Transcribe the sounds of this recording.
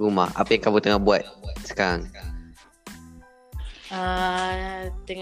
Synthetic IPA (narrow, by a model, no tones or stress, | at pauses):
ɡuma̰ʔa̰pajaŋkamut̪əŋahbuat̪t̪̚sə̥kaɾaŋ | a | t̪ə